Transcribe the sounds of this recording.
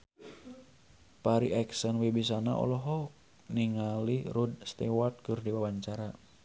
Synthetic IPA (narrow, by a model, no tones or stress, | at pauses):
paɾiʔɛksənwibis̬ana̰ʔɔ̰lɔɦɔ | niŋaliɾud̪̚st̪ewart̪̚kɨrdiwawaɲt͡ʃaɾa